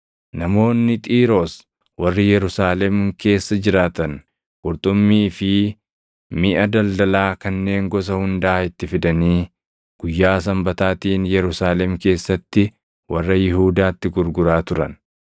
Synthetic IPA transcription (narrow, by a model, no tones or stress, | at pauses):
nɐmo̞ːnːɪt̪ʼiːɾoːs | wɐrːɪjɛɾʊsaːlɛmke̞ːsːɐd͡ʒɪɾaːt̪ɐn | ɡ̥ʼʊɾt̪ʼʊmːiːfɪ | mɪʔɐd̪ɐld̪ɐlaːkɐnːe̞ːŋɡɔs̬ɐhʊnd̪aːɪt̪ːɪfɪd̪ɐniː | ɡ̥ʊjːaːs̬ɐmbɐt̪aːt̪iːnjɛɾʊsaːlɛmke̞ːsːɐt̪ːɪ | wɐrːɐjɪhuːd̪aːt̪ːɪɡʊɾɡʊɾaːt̪ʊɾɐ̰n